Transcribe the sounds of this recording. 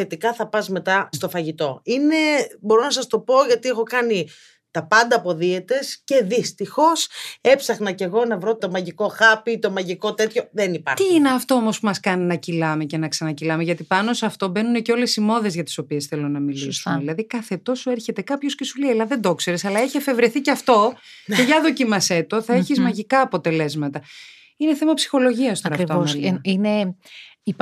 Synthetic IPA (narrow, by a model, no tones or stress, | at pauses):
e̞t̪ikɐθɐpɐzme̞t̪ɐst̪o̞fɐʝit̪o̞ine̞bo̞ɾo̞nɐsɐst̪o̞po̞ʝɐt̪iexo̞kɐni | t̪ɐpɐnd̪ɐːpo̞ðiet̪e̞sce̞ðist̪ixo̞se̞psɐxnɐce̞ɣo̞nɐvɾo̞t̪o̞mɐʝiko̞xɐpit̪o̞mɐʝiko̞t̪e̞t̪ço̞ðenipɐɾt̪iineɐft̪o̞omo̞spumɐskɐninɐcilɐmece̞nɐksɐnɐcilɐmeʝɐt̪ipɐno̞sɐft̪o̞be̞nuneceo̞le̞simo̞ðe̞zʝɐt̪i̥so̞pie̞sθe̞lonɐmilisunðilɐðikɐθe̞t̪o̞sueɾçe̞t̪e̞kɐpço̞sce̞suleilɐðe̞nd̪o̞kse̞ɾesɐlɐeçiefe̞vɾe̞θiceɐft̪o̞eʝɐðo̞cimɐset̪oθɐeçizmɐʝikɐːpo̞t̪e̞le̞zmɐt̪ɐ | ine̞θe̞mɐpsi̥xo̞loʝiɐst̪oɐɾɐɾivoelninei